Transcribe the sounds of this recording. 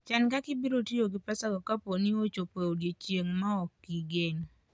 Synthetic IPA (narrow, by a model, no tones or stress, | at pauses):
t͡ʃankakɪbiɾotioɡɪpasaɡɔkaponiot͡ʃopeoɡjet͡ʃeŋmaɔkːiɡeŋ